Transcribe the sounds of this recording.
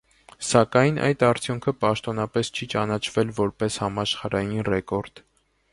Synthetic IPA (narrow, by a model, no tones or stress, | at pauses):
sɑkɑjnʔɑ̰jd̪ɑɾt͡sʰjuŋkʰəpɑʃt̪ɔnɑpɛst͡ʃʰit͡ʃɑnɑt͡ʃʰvɛlvɔɾpɛshɑmɑʃχɑɾɑjinrɛkɔɾd̪̥